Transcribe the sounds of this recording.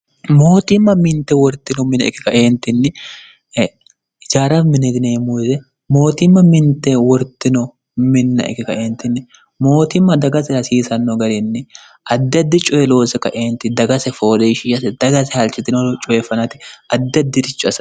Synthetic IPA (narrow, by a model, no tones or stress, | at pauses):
mo̞ːt̪ɪmːɐmɪnt̪ːɛwɔɾt̪ːɪnɔmɪnɐ̰ɪ̰kːɪkɐʔeːnt̪ːɪnːɪ | d͡ʒaːɾɐmɪnɛd̪ɪneːmuzɛ | mo̞ːt̪ɪmːɐmɪnt̪ːɛwɔɾt̪ːɪnɔ | mɪnːɐ̰ʔɪ̰kːɪkɐʔeːnt̪ɪnːɪ | mo̞ːt̪ɪmːɐd̪ɐɡɐsɛɾɐsiːsɐnːɔɡɐɾɪnːɪ | ʔɐd̪ːɐd̪ːɪt͡ʃʼɔjɛlo̞ːsɛkɐ̰ʔeːnt̪ɪd̪ɐɡɐsɛfo̞ːleʃɪːʃɐsɛd̪̥ɐɡɐsɛhɐlt͡ʃːɪt̪ːɪnt͡ʃʼɔjɛfɐnɐt̪ɪ̥ɐd̪ːɐd̪ːɪɾɪt͡ʃːʊɐs